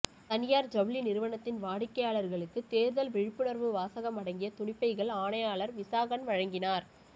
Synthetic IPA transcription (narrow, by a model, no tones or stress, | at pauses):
t̪ɐnɪjaːɾd͡ʒɐbɭinɪɾɯʋɐɳɐt̪ːɪnʋaːɽɪkːɐjaːɭɐɾɣɐɭɯkːɯt̪eːɾðɐlʋɛɻɪpːɯɳɐɾʋɯʋaːsɐɣɐmɐɽɐŋɡɪjɐt̪ʊɳɪpːɐɪɣɐɭaːɳɐjaːɭɐɾʋɪsaːɣɐnʋɐɻɐŋɡɪnaːɾ